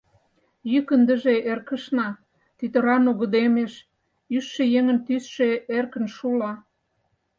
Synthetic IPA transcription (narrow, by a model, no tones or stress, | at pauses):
jykənd̪ə̆ʒeʔerkə̆ʃnɑ | t̪yt̪ə̆ɾɑnuɣə̆d̪emeʃ | yʃːejeŋə̆nt̪ysʃeerkə̆nʃulɑ